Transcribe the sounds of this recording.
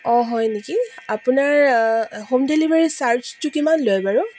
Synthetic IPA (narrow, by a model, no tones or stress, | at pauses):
ɔɦɔjnekiapʊnaɹhomdelibaɹisaɹt͡ʃtʊkimanlojbaɹʊ